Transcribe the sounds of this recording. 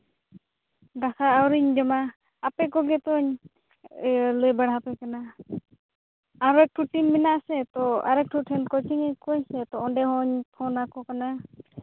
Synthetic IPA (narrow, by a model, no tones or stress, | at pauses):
ɖakʰaːwɾiɲd͡ʒɔmaː | pɛkɔɡɛt̪ɔɲ | lɔjbaɽ̤ɦapɛkana | aɾɛk̚ʈʰuʈimːinasɛt̪ɔa̰ɾɛk̚ʈʰuʈʰɛnkɔtʰiŋɛkɔɲsɛt̪ɔɔɖɛɦɔɲpʰɔnakɔkana